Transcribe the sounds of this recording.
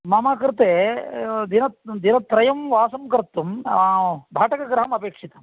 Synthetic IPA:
mɐmaːkɾt̪eːd̪inɐt̪d̪inɐt̪ɾɐjɐmʋaːsɐmkɐɾt̪ːum | bʱaːʈɐkɐɡɾɐɦɐmɐpeːkʂit̪ɐm

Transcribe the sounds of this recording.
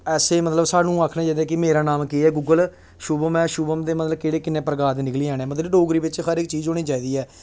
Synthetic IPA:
ɛːseːmət̪ləbsaːnũːaːkʰnãːd͡ʒaːd̪aːkɪmeːɾaːnaːmkeːɛːɡuːɡəl | ʃuːbəmɛ̃ːʃuːbəmd̪eːmət̪ləbkeːɽeːkɪnẽːpɾəɡaːd̪nɪkliːɛːñɛːmət̪ləbɖoːɡɾiːbɪt͡ʃxəɾɪk̚t͡ʃiːzoːniːt͡ʃaːiːd̪iːɛː

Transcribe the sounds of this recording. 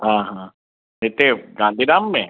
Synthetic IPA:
ɦãːɦãː | net̪eɡãːnd̪ʱiːdaːmːẽ

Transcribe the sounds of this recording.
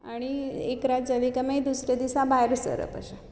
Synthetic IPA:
aɽ̃iekɾad͡ʒəʋikəmed̪usɾed̪isãbʱajɾsə̰ɾə̰pə̰ʃa

